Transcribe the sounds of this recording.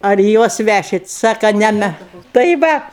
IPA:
ɐr ɪ ˈjuɔs ˈʋʲæʃʲɪt ˈsɑːkɐ ˈnʲɛ mʲɛ tɐɪ ˈʋɐt

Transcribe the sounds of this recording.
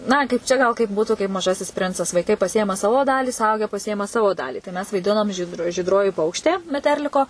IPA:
ˈnɐ kɐɪp ˈt͡ʃʲɛ ɡɐlˠ kɐɪp ˈbuːtʊ kɐɪp mɐˈʒɑːsʲɪs ˈpʲrʲɪnt͡sɐs ʋɐɪˈkɐɪ pɐˈsʲɪeːmɐ ˈsɑːʋoː ˈdɑːlʲiː sʊˈɐʊɡʲɛ pɐˈsʲɪeːmɐ ˈsɑːʋoː ˈdɑːlʲiː tɐɪ ˈmʲɛs ʋɐɪˈdʲɪnoːm ʒʲiːt ʒʲiːdˈroːjɪ ˈpɐʊkʃʲtʲeː mʲɛˈtʲɛrʲlʲɪkoː

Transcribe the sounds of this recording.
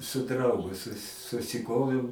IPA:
sʊ ˈdrɐʊɡʊ sʊ sʊsʲɪˈkoːʋʲɛʊ

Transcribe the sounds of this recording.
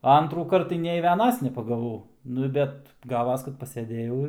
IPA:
ɐ ˈɐntruːkɐrt tɐɪ nʲɛɪ ˈʋʲiɛnɐs nʲɛpɐɡɐˈʋɐʊ ˈnʊ bʲɛt ˈɡɑːʋɐs kɐt pɐsʲɛˈdʲeːjɛʊ ɪr

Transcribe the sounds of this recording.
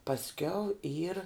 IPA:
pɐsʲˈkʲɛʊ iːr

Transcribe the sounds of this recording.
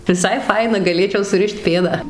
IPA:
ʋʲɪˈsɐɪ ˈfɐɪnɐ ɡɐˈlʲeːt͡ʃʲɛʊ sʊˈrʲɪʃt ˈpʲeːdɑː

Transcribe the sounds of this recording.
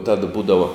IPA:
tɐt ˈbuːdɐʋoː

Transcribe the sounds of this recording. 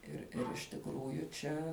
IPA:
ɪr ɪr ɪʃ tʲɪkˈruːjʊ ˈt͡ʃʲɛ

